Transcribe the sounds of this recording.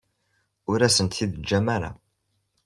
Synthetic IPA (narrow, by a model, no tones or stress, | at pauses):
ʊɾæsənt̪θiðd͡ʒːæmæɾa̰